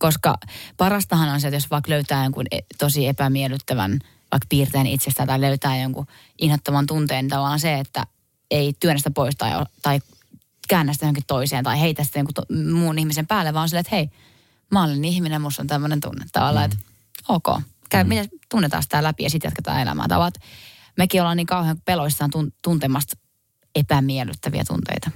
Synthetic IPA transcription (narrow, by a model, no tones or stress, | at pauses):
koskɑ̰pɑrɑst̪ɑhɑnonset̪josʋɑikløyt̪æːjoŋkṵnet̪osiepæmielyt̪ːæʋæ̰n | ʋɑ̰ikpiːrt̪eːnit̪sest̪æːnt̪ɑiløyt̪æːjoŋku | ʔinhot̪ːomɑnt̪unt̪eːnit̪ɑʋɑlːˑɑnseet̪ːæ̰ | eit̪yønst̪æpoist̪ɑio̰t̪ɑi | kæːnːæst̪jooŋkit̪t̪oiseːnt̪ɑiheit̪æsit̪æjoŋkut̪muːnihmisempæːlːeʋɑːonsilːet̪hei | mɑːlinihminemmust̪o̰nt̪æmːønent̪ṵnːt̪ːɑ̰ʋɑlːˑɑet̪ | oːko̰ː | kæymit̪et̪unːet̪ɑ̰ːsi̥t̪ælæpijɑsit̪jɑ̰t̪ke̥t̪ɑ̰ːelæ̰mæ̰ːt̪ɑ̰ʋɑlt̪ | mekiolɑniːŋkɑuheɑŋkupeloist̪ɑːnt̪unt̪unt̪emɑst̪ | epæmiely̰t̪ːæʋiæ̰t̪ṵnt̪ḛit̪ɑ